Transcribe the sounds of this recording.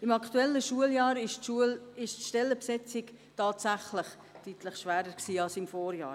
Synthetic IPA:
ɪmɑkʰtuɛlːəʃuəljɑːɾɪʃuəlɪʃtʃtɛlːəpsɛt͡sɪk | tɑːtsæχləχ | tyːtləχʃʋæːɾəɾksiːɑlsɪmfoːɾjɑ̰ː

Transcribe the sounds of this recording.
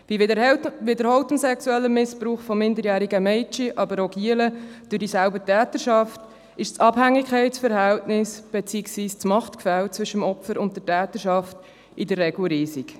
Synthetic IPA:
vivɪdəɾhɔltəmsɛksuɛlːəmɪspɾuːχfɔmːɪndəɾjæːɾiɡəmɛɪt͡ʃiʔɑbəɾɔɡiələd̥ʉdisælbətæːtəɾʃɑft | ɪʃt͡sɑb̥hæŋːɪkʰχɛɪt͡sfəɾhæltnɪsb̥et͡siːksviːst͡smɑχtkfælt͡sʋʏʃəmɔpfəɾʊntdətæːtəʃɑft | idərːɛɡ̥l̩ɾiːsik

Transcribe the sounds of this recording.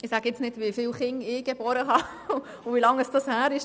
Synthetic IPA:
ɪsæɡəɪt͡snɪdʋifɪːlχɪŋɪɡ̥ɛbɔːɾəɦɑ | uʋilɑŋəsd̥ɑshæːɾɪʃ

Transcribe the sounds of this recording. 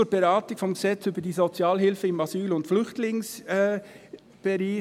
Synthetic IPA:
uɾb̥ɛɾɑːtɪkfɔmɡəz̥ɛt͡syːbədiːzot͡sjaːlhɪlfəɪmɑzyːlʊntflʏχtlɪŋsɛ | b̥ɛɾiː

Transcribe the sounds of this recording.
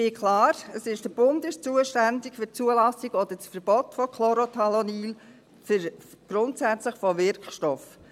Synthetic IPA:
ɪkʰlɑːɾəsɪʃd̥əb̥ʊndɪʃt͡suəʃtændɪkfʏɾt͡suəlɑsɪɡɔd̥̪əsfəɾb̥ɔtfɔkʰlɔɾotʰɑloniːl | fəɾ | ɡ̥ɾʊntsæt͡sləχfɔvɪɾkʃtɔf

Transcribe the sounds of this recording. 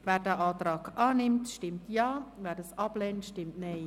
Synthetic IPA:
ʋɛːɾdɛːʔɑːtrɑːkʔɑːnɪmtʃtɪmtjɑːʋɛːɾdɑsɑblɛːntʃtɪmtnej

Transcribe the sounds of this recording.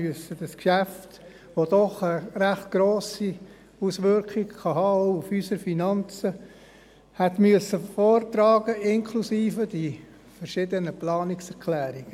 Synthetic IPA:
yəsəd̥ɑskʃæft | ʋod̥ɔχəɾæχt̚ɡ̥ɾoːsi | usʋʏɾkχiɡkɑɦɑːufysəɾfinɑnt͡sə | hɛtmyəsəfoːrtɾɑːɡəʔɪnkʰlusiːfədi | fəɾʃɪːdənəplɑːnɪksɛɾkʰlæːɾiɡ̥

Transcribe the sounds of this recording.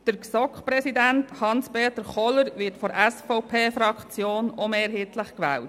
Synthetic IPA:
d̥əɾksɔkχpɾɛsidænthɑnspeːtəɾχɔləɾʋɪɾtfɔɾʔɛsfɔʊpʰeːfɾɑkʰt͡sjoːnɔmeːɾɦiːtləχkʋɛːlt

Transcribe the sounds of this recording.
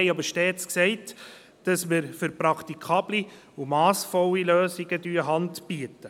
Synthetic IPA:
ɛɪɑbəɾʃteːt͡sksɛɪt | d̥ɑsmɪɾfʏɾpɾɑktikʰɑːbli | umɑːsfɔliløːsɪɡədyːəɦɑndb̥iətə

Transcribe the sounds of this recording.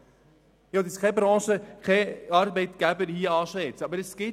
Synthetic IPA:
joːdɪskʰɛbɾɑ̃ːʃəkʰɛɑrbɛɪtɡ̥æbəɾhiəɑːʃɛt͡sɑbəɾəsɡ̥ɪ

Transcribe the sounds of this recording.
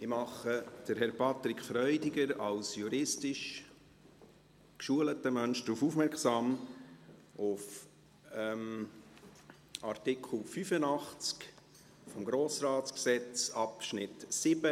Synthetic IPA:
ɪmɑχəd̥əɾhɛɾpɑt̪ɾɪkʰfɾœʏdɪɡəɾɑlsjuɾɪstɪʃ | kʃuələtəmœnʃd̥̪ɾufufmɛɾksɑːm | ʊf | ɛm | ɑrt̪ɪkʰl̩fyfənɑχt͡sk | fɔmɡɾoːsɾaːtt͡sksɛt͡sɑpʃnɪtsɪb̥ə

